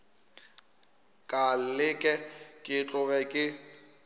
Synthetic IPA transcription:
kʼallɪkʼɛkʼɪt͡ɬʼʊbɛkʼɪ

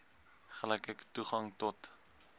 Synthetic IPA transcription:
χəlɛjkɛktuχɐŋtɔt

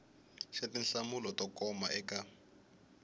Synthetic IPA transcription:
ʃatinɬamulɔtɔkɔmaʔɛka

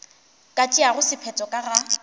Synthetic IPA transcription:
kʼatʼiaɣʊsɪpʰɛt͡sʼɔkʼaɣa

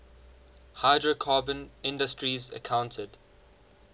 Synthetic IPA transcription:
haɪdɹəkʰɑːbə̃nɪ̃ndəstɹizə̰kʰãʊ̃ntʰəd

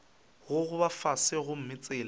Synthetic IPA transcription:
ɣʊɣʊbafasɪɣʊm̩mɪt͡sʼɪːla

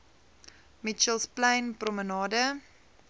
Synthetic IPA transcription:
mit͡ʃəlˠsplajnprɔmənɑːdə

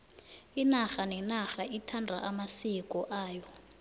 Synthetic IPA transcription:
inaxanɛnaxaʔitʰandʱa̰ʔamasikʼɔʔaːjɔ

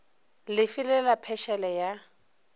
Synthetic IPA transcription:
lɪfɪlɛlapʰɛʃɛlɛja

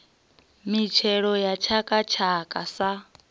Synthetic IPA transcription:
mit͡ʃʰɛɺɔjat͡ʃʰakʼat͡ʃʰakʼasa

